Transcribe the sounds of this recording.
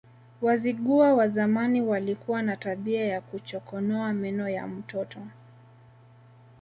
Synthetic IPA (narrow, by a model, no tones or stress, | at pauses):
waziɠuawazamaniwalikuwanataɓiajakut͡ʃɔkɔnɔamɛnɔja̰m̩tɔtɔ